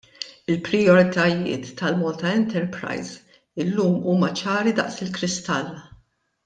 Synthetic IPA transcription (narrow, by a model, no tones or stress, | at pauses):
ɪlpɾɪjɔɾɪt̪ɐjɪ̰ːt̪ːɐlmɔːlt̪ɐɛnt̪ɛɾpɾɐ̰jz | ɪlːuːmuːmɐt͡ʃɐːɾid̪ɐ̰ʔsɪlkɾɪst̪ɐlːɐ